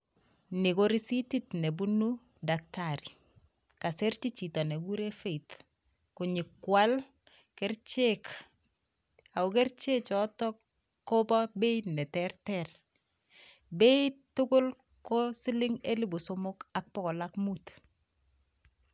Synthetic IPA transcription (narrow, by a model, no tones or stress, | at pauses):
nikoɾisititnebunu | dak̚taɾi | kasert͡ʃit͡ʃitɔneɡuɾefeit | kʊɲɪkːwal | kɛrt͡ʃek | aokɛrt͡ʃet͡ʃɔtɔ | kːobɔbeinɛtɛrtɛr | beitːʊkʊl | kosɪlɪŋelibusomʊkak̚pɔkɔlakmut